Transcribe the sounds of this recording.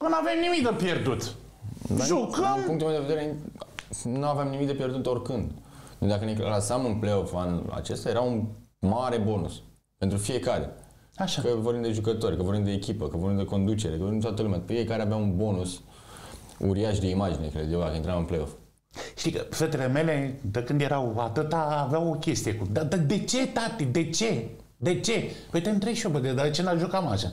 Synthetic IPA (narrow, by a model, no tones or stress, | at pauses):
onavemnimik̚d̪əpjerd̪ut̪ | d̪aʒukəmuŋkt̪ulmeod̪eveɾe | nuaveamnimik̚d̪epʲje̞rd̪ut̪o̞rʲkɨnd̪ed̪akənekalasamɨnpleofanṵa̰t͡ʃest̪ajeɾaunmaɾe̞bo̞nus | pent̪ɾufije̞kaɾe̞̰ | aʃakəvorbimd̪e̞ʒukət̪o̞ɾʲkəvoɾbimd̪d̪eːkʲipəkəvorɾbimd̪eko̞nd̪ut͡ʃeɾekəvorbimt̪wat̪əlumʲafie̞kaɾeaveaunbo̞nus | ṵɾiaʃd̪e̞imad͡ʒinekəleeakəint̪ɾamɨnplejo̞f | ʃt̪ikəfet̪ele̞me̞le̞d̪əkɨnd̪je̞ɾawat̪ɨt̪aːveawo̞kʲe̞st̪ijekud̪ad̪ad̪et͡ʃet̪at̪id̪e̞t͡ʃe̞ | d̪et͡ʃe̞pet̪emt̪ɾejʃobəd̪ed̪ad̪et͡ʃenaʒokamaʃa